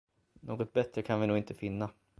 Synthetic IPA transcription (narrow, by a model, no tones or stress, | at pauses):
noːɡɔt̪̚bɛt̪ɾəkʰanvɪnuːɡɪnt̪ʰəfɪnːa